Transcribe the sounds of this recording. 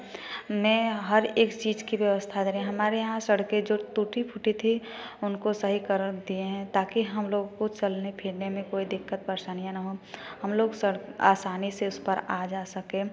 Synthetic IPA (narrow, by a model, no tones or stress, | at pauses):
mɛ̃ːɦɐɾeːkt͡ʃiːd͡ʒkibjəʋəst̪ʰad̪eːɾeẽɦɐmaːɾejɐɦãsəɽked͡ʒoːt̪uʈipʰʊʈit̪ʰi | ʊnkosɐɦikəɾd̪ieɦɛ̃t̪aːkiɦɐmloːɡ̃kot͡ʃɐlnepʰɪɾnemẽkoːid̪ɪkːət̪̚pəɾʃaːnijãnəɦoɦəmloːɡsəɽka̰ːsaːniseʊspəɾaːd͡ʒaːsəkẽː